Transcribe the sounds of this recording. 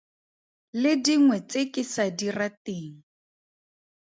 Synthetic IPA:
lɪdiŋwɛt͡sekɪsadirateːŋ̩

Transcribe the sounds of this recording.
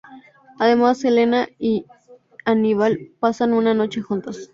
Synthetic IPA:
aðe̞masele̞nai | aniβalpasanunano̞t͡ʃe̞xunt̪as

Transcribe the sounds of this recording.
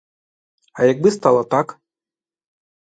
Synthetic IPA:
ajaɡ̚bɨst̪alˠɐt̪ak

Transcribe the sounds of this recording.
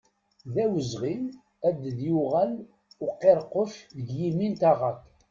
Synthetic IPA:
ðæwəzʁim | æd̪ðjuʁæl | ʊqːeɾˤqːəfðəɡjimint̪aʁæk

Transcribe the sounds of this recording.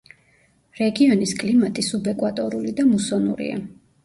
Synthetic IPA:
ɾɛɡiɔniskʼlimat̪ʼisubɛkʼwat̪ʼɔɾulid̪amusɔnṵɾḭa̰

